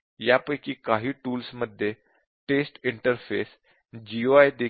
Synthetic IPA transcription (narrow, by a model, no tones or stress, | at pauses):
japəjkiːkaɦiːʈuːlsməd̪ʱːje | ʈesʈiɳʈəɾfes | d͡ʑioajd̪e